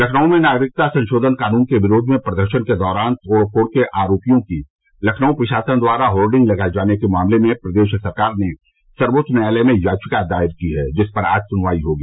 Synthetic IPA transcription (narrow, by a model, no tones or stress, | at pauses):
lɐkʰnəõmẽnaːɡɾɪk̚t̪asɐ̃nʃoːd̪ʱənkaːnuːnkeʋɪɾoːd̪ʱmẽpɾɐd̪əɾʃənked̪ɔːɾaːnt̪ʰoːɽkʰoːɽkeʔaːɾoːpijõki | lɐkʰnəõpɾɐʃaːsənd̪waːɾaɦoːlɖɪ̃ŋɡlɐɡad͡ʒaːnekemaːmlemẽpɾɐd̪eːʃsɐɾkaːɾne | sɐɾbot̪ʃnalɛmẽjaːt͡ʃʰɪkad̪aːɪɾkiɦɛd͡ʒɪspɐɾa̰ːd͡ʒsʊnʋaːiɦoːɡiː